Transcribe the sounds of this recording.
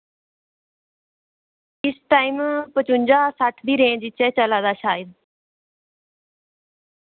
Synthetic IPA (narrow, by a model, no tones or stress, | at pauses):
ɪsʈaːimpət͡ʃʊɲd͡ʒaːsəʈʰd̪iːɾẽːd͡ʒɪt͡ʃɛːt͡ʃəlaːd̪aːʃaːɪd̪̚